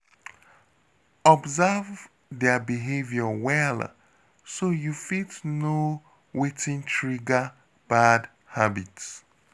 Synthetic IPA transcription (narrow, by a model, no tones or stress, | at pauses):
ɔbzav | dɛbiɦevjɔwɛl | sojufitno | wetĩntʰɹiɡa | b̥ad | habits